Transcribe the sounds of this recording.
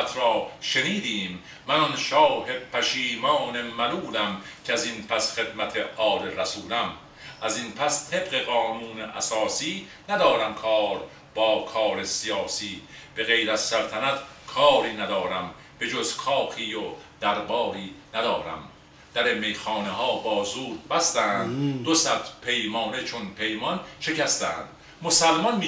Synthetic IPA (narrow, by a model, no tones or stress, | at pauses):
t̪ʰɾɒːʃe̞niːd̪iːmː | ænɔnʃɒːhe̞d̚pʰæʃiːmɒːne̞mæluːlæmcʰeæzinpʰæsχe̞d̪mæt̪ʰeʔɒːleɾæsuːlæm | ʔæzinpʰæst̪ʰe̞bɢe̞ɣɒːnuːneʔæ̰sɒːsiːnæd̪ɒːɾæmkʰɒːɾ | bɒːkʰɒːɾe̞sijɒːsiːb̥e̞ɣe̞jɾæz̥sælt̪ʰænæt̪ʰkʰɒːɾiːnæd̪ɒːɾæm | b̥e̞d͡ʒozkʰɒːkʰiːjod̪̥æɾbɒːɾiːnæd̪ɒːɾæ̰m | d̪̥æɾemːejxɒːneɦɒːbɒːzuːɾd̪̚bæst̪æːnd̪d̪osæt̪pʰe̞jmɒːne̞t͡ʃʰonpʰe̞jmɒnʃe̞cæst̪æ̰ːnd̪̥ | mosælmɒnm